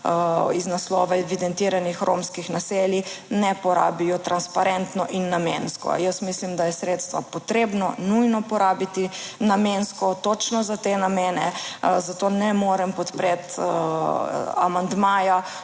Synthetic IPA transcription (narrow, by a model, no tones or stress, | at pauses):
iznaslɔːʋaɛʋid̪ɛnt̪iːɾanixɾʔomskixnaseːljinɛpɔɾa̰ːbijɔt̪ɾanspaɾɛnt̪nɔʔinːameːnskɔ̰jəsmislimd̪ajɛsɾeːt̪st̪ʋapɔt̪ɾeːbnɔnujnɔpɔɾaːbit̪inamenskɔt̪ot͡ʃnɔzat̪enameːnɛzat̪oːnɛmoːɾɛmpɔt̪pɾet̪ | a̰mand̪maːja